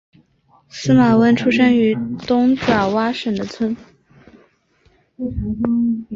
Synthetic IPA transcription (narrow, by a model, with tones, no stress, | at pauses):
sɹ̩˥ma˨˩wə˥nʈ͡ʂʰu˥ʂə˥ŋy˧˥t̪ʊ˥ŋʈ͡ʂa˨˩wa˥ʂə˨˩nd̪ə˦t͡sʰwə˥n